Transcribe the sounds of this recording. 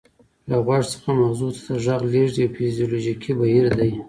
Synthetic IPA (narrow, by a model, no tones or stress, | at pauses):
laɣwɑʐsə̥xamawzut̪ḁd̪əʒaɣleʐd̪iawfizijoloʒikʰibahiɾd̪aj